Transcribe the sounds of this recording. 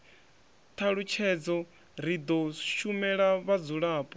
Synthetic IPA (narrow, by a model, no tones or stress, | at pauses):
t̪ʰaɺut͡ʃʰɛd͡zɔ | ɾid̪ɔʃumɛɺaβad͡zuɺaːpʼɔ